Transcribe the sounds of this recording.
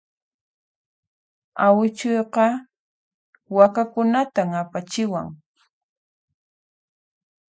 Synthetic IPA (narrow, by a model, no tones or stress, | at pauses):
awɪt͡ʃʊjqɑ | wakakʊnat̪amapat͡ʃɪwa̰ŋ